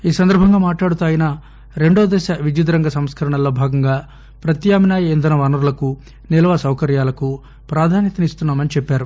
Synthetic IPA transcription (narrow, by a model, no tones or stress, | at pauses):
iːsɐnd̪ɐɾbʱɐŋɡaːmaːʈlaːɽut̪aːjɐna | ɾe̞ɳɖoːd̪ɛːʃaʋid͡ʒɐd̪ɾɐŋɡɐsɐmskɐɾɐɳɐlo̞ːbʱaːɡɐŋɡaː | pɾɐt̪jaːminaːjɐend̪ɐnɐʋɐnɐɾulɐku | nɛlɐʋasɐwkɐɾjaːlɐku | pɾaːd̪ʱaːnjɐt̪ɐnist̪unːaːmɐnit͡ʃɛpːaːɾu